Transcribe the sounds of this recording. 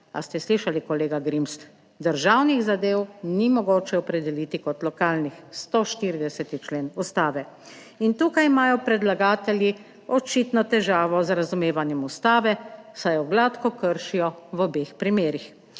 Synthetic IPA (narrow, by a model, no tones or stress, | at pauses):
a̰st̪ɛsliʃalikɔleːɡaɡɾims | d̪əɾʒawniɣzad̪eːwnimɔɡoːt͡ʃɛɔpɾɛd̪ɛlit̪ikɔt̪lɔkaːlnixst̪oʃt̪iɾid̪ɛsɛt̪it͡ʃleːnust̪aːʋɛ | int̪uːkajimaːjɔpɾɛd̪laɡaːt̪ɛlji | ɔt͡ʃit̪nɔt̪ɛʒaːʋɔzɾazumeːʋanjɛmust̪aːʋɛsajɔɡlat̪kɔkəɾʃijɔʋɔbeːxpɾimeːɾix